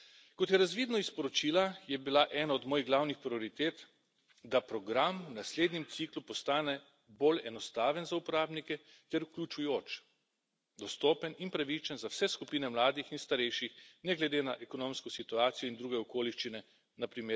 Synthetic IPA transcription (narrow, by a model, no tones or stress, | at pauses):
kɔt̪jɛɾazʋiːd̪nɔispɔɾɔt͡ʃiːlajɛbilaʔɛnaɔd̪moːjiɣɡlawnixpɾiɔɾit̪eːt̪ | d̪apɾɔɡɾamwnasleːd̪nɲɛmt̪siklupɔst̪aːnɛ | bolɛnɔst̪aːʋənzaupɔɾaːbnikɛ | t̪ɛɾuklʲut͡ʃujoːt͡ʃ | d̪ɔst̪oːpəninpɾaʋit͡ʃənzawsɛskupiːnɛmlaːd̪ixinst̪aɾɛjʃixnɛɡlɛd̪eːnaʔɛkɔnomskɔsit̪uaːt̪sijɔind̪ɾuːɡɛɔkoːliʃt͡ʃinɛ | napɾimeːɾ